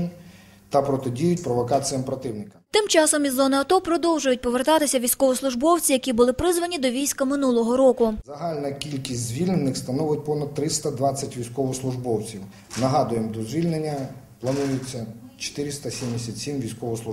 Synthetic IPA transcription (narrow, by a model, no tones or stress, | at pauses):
nʲ | t̪ɐpɾɔt̪edʲijʊtʲpɾɔʋɔkɑt͡sʲijɐmpɾɔt̪ɪwnɪkɐ̥t̪ɪmt͡ʃɑsɔmizːɔnɪɐt̪ɔpɾɔd̪ɔwʒʊjʊt̚ʲpɔʋert̪ɑt̪ɪsʲɐʋʲijsʲkɔʋɔslˠʊʒbɔwt͡sʲijɐkʲibʊlˠɪpɾɪzʋɐnʲid̪ɔʋʲijsʲkɐmɪnulˠɔɦɔɾɔkʊzɐɦɑlʲnɐkʲilʲkʲisʲtʲzʲʋʲilʲnenɪxst̪ɐnɔʋʊt̚ʲpɔnɐd̪̚t̪ɾɪst̪ɐd̪ʋɑt͡sʲːɐtʲʋʲijsʲkɔʋɔslˠʊʒbɔwt͡sʲiw | nɐɦɑd̪ʊjemd̪ɔzʲʋʲilʲnenʲːɐ | plˠɐnujʊt͡sʲːɐt͡ʃe̥t̪ɪɾʲɪst̪ɐsʲimd̪esʲɐt̪ʲsʲimʋʲijsʲkɔʋɔslˠu